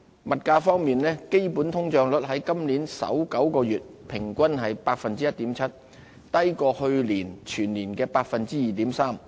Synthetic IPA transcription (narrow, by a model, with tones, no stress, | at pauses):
mɐ˨t̚kaː˧fɔː˥ŋmiː˨nlɛː˥ke˥jpuː˨˥nt̪ʰʊ˥ŋt͡ʃœː˧ŋlɵ˨˥t̚ɦɐ˨˥jkɐ˥mli˨˥nsɐ̰˨˥wkɐ˨˥wkɔː˧jyː˨t̚pʰɪ˨˩ŋkʷɐ˥nɦɐ˨jpaː˧k̚fɐ˨˧nt͡siː˥jɐ˥t̚t̪iː˨˥mt͡sʰɐ˥t̚ | t̪ɐ˥jkɔː˧hɵ˧ɥliː˨˩nt͡ʃʰyː˨˩nliː˨˩nkɛː˧paː˧k̚fɐ˨nt͡siː˥jiː˨˩t̪iː˨˥msaː˥m